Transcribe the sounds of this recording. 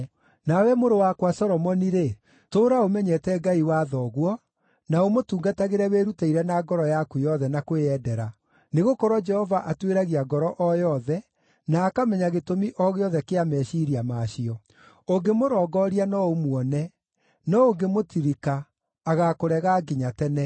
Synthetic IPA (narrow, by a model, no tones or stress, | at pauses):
nawɛmoɾowakwasɔɾɔmɔniɾe | toːɾaomɛɲɛtɛɡaiwaðɔɣwɔ | naomotuːŋɡataɣeɾɛweɾutaiɾɛnaɡɔɾɔjakujɔðɛnakweɛdɛɾa | neɣokɔɾwɔd͡ʒɛhɔvaʔatweɾaɣiaɡɔɾɔʔɔjɔðɛ | naːkamɛɲaɣetomiʔɔɣeɔðɛkeamɛʃiɾiamaʃiɔ | oŋɡemoɾɔːɡɔɾianɔomwɔnɛ | nɔoŋɡemotiɾikaː | ɣakoɾɛɣaɡiɲatɛnɛ